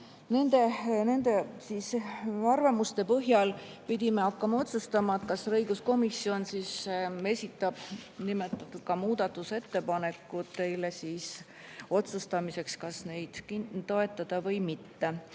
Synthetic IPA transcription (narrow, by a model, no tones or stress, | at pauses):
ne̞nd̪e̞ne̞nd̪̥e̞siːsɑrvɑmust̪e̞pɤɦjɑlpid̪̥ʲime̞ɑkːɑmɑo̞t̪sust̪ɑmɑet̪kɑsrɤjɡusko̞misːio̞nsiːse̞sʲit̪ːˑɑb̥nimet̪ːˑɑt̪ːˑud̪̥̚kɑmuːd̪ɑt̪ːˑuse̞t̪ːe̞pɑne̞kːˑut̪ːe̞lesiːs | o̞t̪sust̪ɑmise̞kskɑsne̞jd̪̥kint̪o̞e̞t̪ːˑɑd̪̥ɑvɤjmit̪ːe